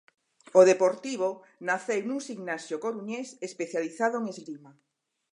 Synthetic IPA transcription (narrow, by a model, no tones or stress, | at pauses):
oðepoɾt̪iβ̞o | naθewnuŋsiŋnasjokoɾuɲesespeθjaliθaðoeŋezlima